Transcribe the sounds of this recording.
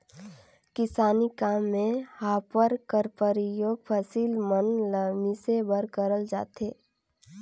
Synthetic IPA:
kɪsaːnikaːmːẽhaːpəɾkəɾpəɾijoːɡ̚pʰəsiːlmənləmisebəɾkəɾəld͡ʒa̰ːt̪eː

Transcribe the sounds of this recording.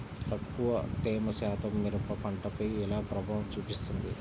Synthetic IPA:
t̪ɐkːuʋɐ̰t̪ɛːmɐsaːt̪ʰɐmːiɾɐpɐpɐɳʈɐpɐjɛlaːpɾɐbʱaːʋɐmt͡ʃuːpist̪und̪i

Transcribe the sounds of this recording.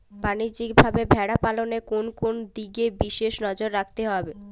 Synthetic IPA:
banid͡ʑik̚bʱabebʱɛɽapalonekonkond̪iɡebiʃeʃnɔd͡ʑoɾːakʰt̪eɦɔbe

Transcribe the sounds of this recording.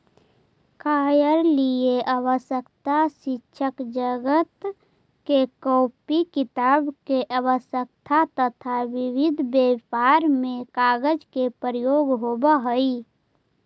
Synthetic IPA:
kʰajəɾlieʔaʋəsəkt̪asɪʃʰəkd͡ʒəɡət̪ | kekɔːpikɪt̪aːbkeʔawəsjək̚t̪ʰat̪ət̪ʰaʋibʱid̪ʱbjepaɾmẽkaɡəd͡ʒkepəɾijoːɡɦobəɦəi

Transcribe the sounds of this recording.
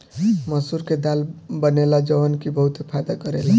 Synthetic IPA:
məsuɾked̪albənelad͡ʒəʋənkibəɦut̪epʰajd̪akəɾela

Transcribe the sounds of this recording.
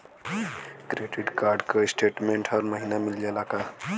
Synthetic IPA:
kɾeɖiʈkaɾɖkesʈeʈmeɳʈɦʌɾməɦinamild͡ʒelaka

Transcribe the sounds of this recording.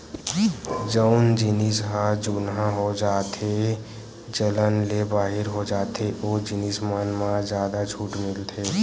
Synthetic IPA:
d͡ʒəʊnd͡ʒɪnisɦad͡ʒuːnɦãɦod͡ʒaːt̪ʰe | d͡ʒələnlebaːɦɪɾɦod͡ʒaːt̪ʰeʔoːd͡ʒɪnismənmãzjaːd̪ad͡ʒʱuːʈmɪlt̪ʰeː

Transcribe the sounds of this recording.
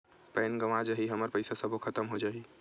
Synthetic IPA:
pɛnɡəʋad͡ʒəɦiɦəməɾpəɪsasəbʱokʰət̪əmɦod͡ʒaɦi

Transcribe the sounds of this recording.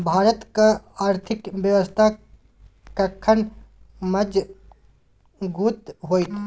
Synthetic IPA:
bʱaːɾət̪kaaːɾt̪ʰɪkbjəʋəst̪ʰa | kəkʰːən | məd͡ʒ | ɡuːt̪ɦoːit̪ʰ

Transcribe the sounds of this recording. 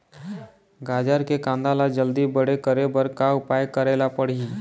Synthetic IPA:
ɡad͡ʒaɾkekãnd̪alad͡ʒəld̪iːbəɽekəɾebəɾkaupajkəɾelapəɽ̤iː

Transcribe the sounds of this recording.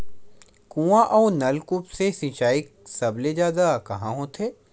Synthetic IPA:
kũːãʔɔːnɐlkʊpsesĩt͡ʃaːik̚sɐbled͡ʒjaːd̪akɐɦãɦõt̪ʰeː

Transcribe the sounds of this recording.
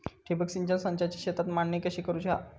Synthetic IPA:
ʈʰibəksiɲd͡ʑənsə̃ɲt͡ɕat͡ɕi̥ɕet̪at̪manːəkəɕiːkəɾuːt͡ɕa̰

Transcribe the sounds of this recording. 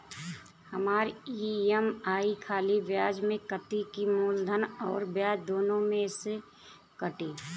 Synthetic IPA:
həmaːɾiemaːikʰaːlibjaːd͡ʒmẽkət̪ikimoːld̪ʱənɔ̰ːɾbjaːd͡ʒd̪oːnõmẽse | kəʈiː

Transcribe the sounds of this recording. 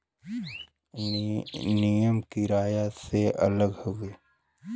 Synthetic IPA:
nijəmkiɾaːjaseʔə̰ləɡhoweː

